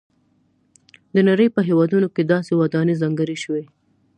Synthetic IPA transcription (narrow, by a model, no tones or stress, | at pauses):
d̪ənaɾəjpəɦewɑd̪unoked̪ɑsewad̪ɑnezɑŋɡəɾiʃəwe